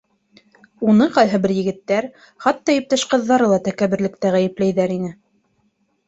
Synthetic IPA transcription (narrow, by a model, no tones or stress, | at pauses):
unɤqɑjɦɤbɘɾjɘ̆ɡɘ̆t̪ːæɾ | χɑt̪ːɑjɘ̆p̚t̪æʃqɤ̆ðːɑɾɤlˠɑt̪ækæβɘ̆ɾlɘ̆k̚t̪æʁæjɘ̆plæjðæɾinɘ